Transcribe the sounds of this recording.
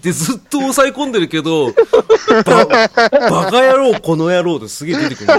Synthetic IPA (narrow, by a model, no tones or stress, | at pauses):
t̪ːe̞zɨt̪ːo̞ːsaikõnd̪e̞ɾɯ̟ke̞d̪o̞ | babakajaɾo̞ːko̞no̞jaɾo̞ːt̪osɨɡʲe̞d̪e̞t̪e̞kɯɾn